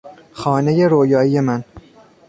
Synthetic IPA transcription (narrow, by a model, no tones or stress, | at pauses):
xɒːne̞je̞ɾoːjɒːije̞mæn